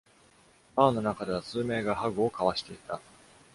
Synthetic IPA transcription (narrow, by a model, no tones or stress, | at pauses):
aːno̞nakad̪e̞βat͡sɨːme̞ːɡaɦaɡɯ̟okaβaɕi̥t̪e̞it̪a